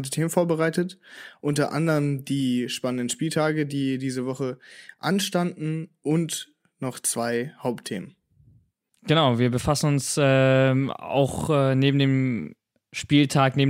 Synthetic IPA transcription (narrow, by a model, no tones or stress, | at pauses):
ndətʰeːmənfoːɐbəʁaɪtətʔʊntɐʔa̰ndəʁəmdiːʃpanəndən̩ʃpiːltʰaːɡədiːdiːzəvɔχəʔa̰nʃtandn̩ʔʊnt | nɔχt͡sv̥aɪhaʊp̚tʰːeːmən | ɡ̥ənaʊviːɐbəfasn̩ʊnsɛː | a̰ʊxɛːneːbm̩deːm | ʃpiːltʰaːkneːbm